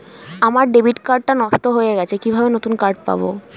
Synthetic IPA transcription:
amaɾɖebiʈkaɾɖ̚ːanɔʃʈoɦoeɡɛt͡ɕʰekibʱabenot̪unkaɾʈ̚pa̰bo̰

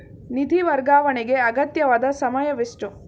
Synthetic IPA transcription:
nid̪ʱiʋɐɾɡaːʋɐɳiɡe̞ɐɡɐt̪jɐʋaːd̪ɐsɐmɐjɐʋiʂʈu

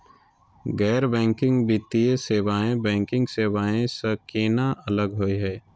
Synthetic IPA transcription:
ɡɛːɾbɛ̃ːŋkɪ̃ŋɡbit̪ieseːwaːẽbɛ̃ːŋkɪ̃ŋɡseːwaːẽsɐkeːnaʔɐləɡɦoːiɦɛː

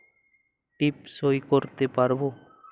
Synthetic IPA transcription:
ʈipsojkoɾt̪epaɾbo

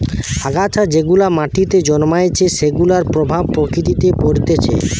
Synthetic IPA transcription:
aɡat͡ɕʰad͡ʑeɡulamaʈit̪ed͡ʑɔnmajet͡ɕʰeʃeɡulaɾpɾobʱab̚pɾokɾit̪it̪epoɾt̪et͡ɕʰḛ

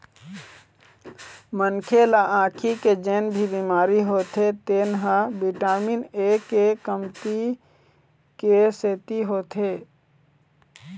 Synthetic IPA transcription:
mənkʰelaʔãːkʰiked͡ʒeːnbʱibimaːɾiɦoːt̪ʰet̪eːnɦãbiʈaːminekekəmt̪i | keseːt̪iɦoːt̪ʰe

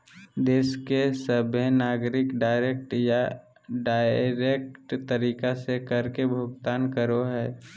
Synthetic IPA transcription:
d̪eːskesəbʱjnaːɡɾɪkɖaːɪɾeːk̚ʈja | ɖaːɪɾeːk̚ʈt̪əɾiːkasekəɾkebʱʊɡt̪aːnkəɾoɦɛː

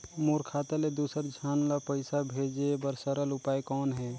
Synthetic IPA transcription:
moɾkʰat̪aled̪usəɾd͡ʒʱanlapəɪsabʱed͡ʒebəɾsəɾəlʊpajkɔːnɦɛ

